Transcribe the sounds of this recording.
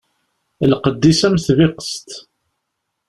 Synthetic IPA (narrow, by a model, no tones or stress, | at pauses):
lqəd̪ːisæmθvɪqə̥st̪